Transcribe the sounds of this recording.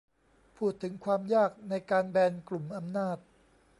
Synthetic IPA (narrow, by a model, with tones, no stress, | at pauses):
pʰuː˥˩t̪ʰːɯ˩˦ŋkʰwaː˧mjaː˥˩k̚na˧jkaː˧nbɛː˧nklu˨˩mʔa˧mnaː˥˩t̪̚